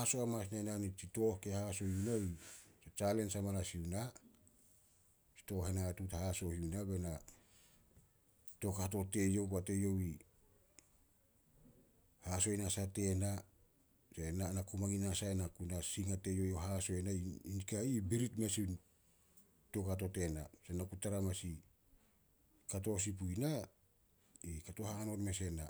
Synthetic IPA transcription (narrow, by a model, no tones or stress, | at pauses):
aso̞amasnananit͡ʃito̞hke̞haso̞hjunoiset͡ʃale̞nsamalasiuna | t͡ʃi̥to̞ɦenatuthaso̞hiunabe̞na | to̞kato̞te̞jo̞wkate̞jo̞wi | haso̞jnasate̞na | se̞nanakumaŋinasaenakunasiŋate̞jo̞joɦaso̞enainkaibiɾitmesin | to̞kato̞te̞na̰senakutaɾamasi | kato̞s̬ip̬uina | ikato̞haŋano̞tme̞se̞na